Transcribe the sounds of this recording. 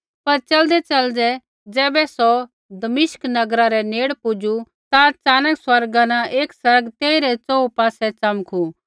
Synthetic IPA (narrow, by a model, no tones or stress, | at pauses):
pɐɾt͡ʃɐld̪ɛt͡ʃɐld͡ʒɛ | d͡zɛːbɛsɔ | d̪ɐmɪʃknɐɡɾaɾɛneːɽpʊd͡ʒu | t̪at͡ʃaːnəkswɐɾɡãnãʔeːksɐɾɡt̪eːiɾɛt͡sɔːupaːsɛt͡ʃɐmkʰu